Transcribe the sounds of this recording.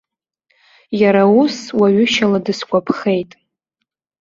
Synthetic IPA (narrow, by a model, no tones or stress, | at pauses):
jaɾauswaɥʊʃaladɨskʷʼapʰχe̞jtʼ